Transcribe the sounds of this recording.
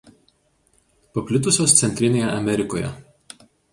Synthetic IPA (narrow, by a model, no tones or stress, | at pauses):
pɐpʲlʲɪt̪ʊsʲoːst̪sʲɛnʲt̪ʲɾʲɪnʲeːjɛʔɐmʲɛɾʲɪkoːjɛ̰